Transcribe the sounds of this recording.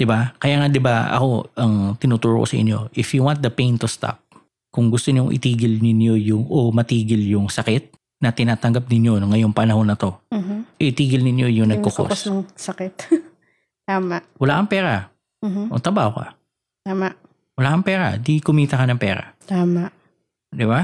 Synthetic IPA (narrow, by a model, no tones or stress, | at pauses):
d̪̥ɪbakɐjaːŋad̪ɪbaɐ̰ko̞ʔɐŋt̪ɪnuːt̪uːɾo̰kosɐʔɪ̰ɲjo̞̰ʔɪfjuwant̪̚d̪ɐpejnt̪ʊst̪a̰p̚ | kʊŋɡʊst̪oɲoŋʔɪ̰t̪iːɡɪlnɪnojʊŋʔomɐt̪iːɡɪljʊŋsɐkɪt̪̚ | nɐt̪ɪnaːt̪ɐŋɡap̚nɪɲjonŋɐjo̞ŋpɐnɐho̞nːɐt̪o̞ʔɛɪt̪iːɡɪlnɪnjo̞jʊŋnɐɡ̚koko̰sɐŋsɐkɛt̪ | t̪aːmɐʔwɐlaːkɐŋpɛːɾɐ | ʔo̰t̪ɾɐbaːho̞kɐ̰ | t̪aːmaʔ | wɐlaːkɐŋpɛːɾɐ̰d̪ikʊmiːt̪ɐkɐnɐŋpɛːɾɐ̰t̪aːmaʔ | d̪ɪba